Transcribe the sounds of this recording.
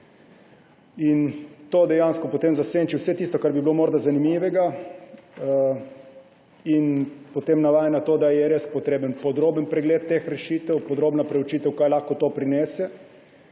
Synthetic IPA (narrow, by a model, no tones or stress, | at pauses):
int̪oːd̪ɛjanskɔpɔt̪eːmzaseːnt͡ʃiwsɛt̪iːst̪ɔkaɾbiblomoːɾd̪azanimiːʋɛɡa | inpot̪emnaʋaːjanat̪oːd̪ajɛɾespɔt̪ɾeːbənpɔd̪ɾoːbənpɾɛɡlet̪ːexɾɛʃiːt̪ɛwpɔd̪ɾoːbnapɾɛwut͡ʃiːt̪ɛwkajlaːxkɔt̪oːpɾinɛːsɛ